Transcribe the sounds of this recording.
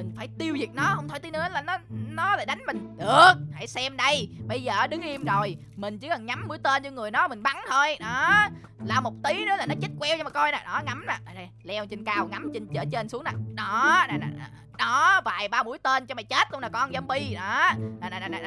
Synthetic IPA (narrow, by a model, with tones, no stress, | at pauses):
mï˨˩ŋ̟faː˧˩jt̪i˧əwzi˨˩ək̚nɔ˨˦hə˧wŋ͡mt̪ʰːt̪i˨˦nɨ̰˧˦˨laː˨˩nɔ˨˦nɔ˨˦laː˨˩ɗa˨˦jŋ̟mï˨˩ŋ̟ɗɨ˨˩ək̚ha̰˧˩jsɛ˧mɗə˧jɓə˧jzəː˨˩˦ɗɨ˨˦ŋʔi˧əmzo˨˩j | mï˨˩ŋ̟t͡ɕɨ˨˦kɔ˨˩ŋɲa˨˦mɓṵ˧˦jt̪e˧nt͡ɕɔ˧ŋɨ˨˩əjnɔ˨˦mï˨˩ŋ̟ɓa˨˦nt̪ʰo˧jɗɔ˨˦ | laː˨˩mo˨˩t̚t̪i˨˦nɨ̰˨˦˥la˨˩nɔ˨˦t͡ɕi˦˥t̚kwɛ˧wt͡ɕɔ˧ma˨˩kɔ˧jna̰ː˨˩ɗɔ˨˦ŋa˨˦mna̰ː˨˩a˨˩a˨˩lɛ˧wt͡ɕi˧ŋkaː˧wŋa˨˦mt͡ɕə˧nt͡ɕəː˧˩t͡ɕe˧nsu˨˦əŋna̰ː˨˩ɗɔ˨˦na˨˩na̰ː˨˩˨ɗɔ˨˦vaː˨˩jɓaː˧ɓṵ˧˩əjt̪e˧nt͡ɕɔ˧ma˨˩jt͡ɕe˦˥t̚ʔə˧wŋ͡mlaː˨˩kɔ˧nzə˨˧˦mɓi˧ɗɔ˨˦nː˨˩naː˨˩naː˨˩na˨˩n˨˩